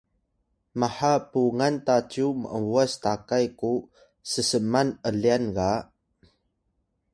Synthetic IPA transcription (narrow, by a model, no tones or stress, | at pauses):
maħapuŋantat͡ɕumə̰ʔəvuastakajku | səsəmanəlianɡa